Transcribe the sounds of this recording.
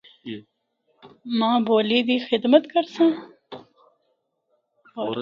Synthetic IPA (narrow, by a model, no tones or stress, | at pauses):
mɑ̃ːboːlid̪ixɪd̪mat̪kəɾsã